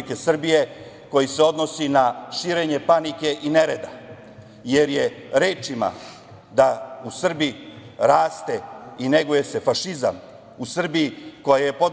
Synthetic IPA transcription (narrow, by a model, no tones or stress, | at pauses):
ike̞sr̩bije̞ | ko̞jise̞o̞d̪no̞sinaʃiːɾe̞ɲe̞panike̞ʔine̞ɾe̞d̪a | je̞ɾjeɾe̞ːt͡ʃima̰ | d̪ausr̩biiɾaːst̪e̞ine̞ɡuje̞se̞faʃiza̰m | usr̩bijiko̞jaje̞po̞d̪